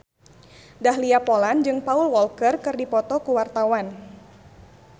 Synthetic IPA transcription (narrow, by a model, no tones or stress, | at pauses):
dahliapɔland͡ʒɨŋpaulwɔlkərkɨrdipɔt̪ɔkuwart̪awan